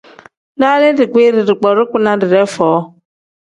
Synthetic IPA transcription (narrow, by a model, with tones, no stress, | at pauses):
da˦lɪ˦dɪ˨kʷe˦ɾɪ˨ɾɪ˨k͡pɔ˨ɾʊ˦kʷʊ˦na˨dɪ˨ɾe˦fɔː˨˦